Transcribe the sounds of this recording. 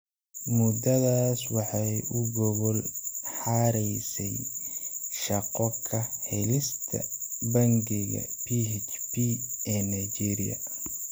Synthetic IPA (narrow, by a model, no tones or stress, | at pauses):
mʊd̪ɐðaːswɑħɑjʊɡɔβɔlħɑɾɛjsɛj | ʃɑqɔkʰɐhɛlɪst̪ʰɐ̰bɐŋɡɪɣɐ̰pʰihɛt͡ʃpʰiɛːnɐjt͡ʃiɾḭjɐ̰